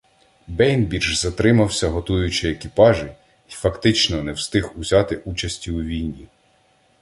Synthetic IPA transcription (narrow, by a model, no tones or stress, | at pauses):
bɛjnbʲirʒzɐt̪ɾɪmɐwsʲɐɦɔt̪ujʊt͡ʃɪekʲipɑʒɪ | ifɐkt̪ɪt͡ʃnɔnɛwst̪ɪɦuzʲɑt̪ɪʔut͡ʃɐsʲtʲiwʋʲijnʲːi